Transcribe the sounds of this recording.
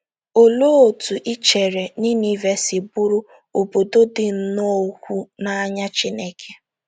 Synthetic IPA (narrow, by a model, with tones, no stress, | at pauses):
o˨lo˦o˨tu˨ʔi˦t͡ʃe˨ɾe˨ni˦ni˦ve˦sɪ˨bʊ˦ɾʊ˦ | o˨bo˨do˦dɪ˨n̩˦no˦kʷu˦na˦a˦ɲa˦t͡ʃi˦ne˦kʰe˦